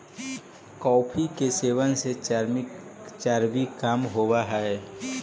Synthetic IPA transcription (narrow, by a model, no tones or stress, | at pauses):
kɔːpʰikeseːʋənse | t͡ʃaːɾbikaːmɦoːwaɦɛe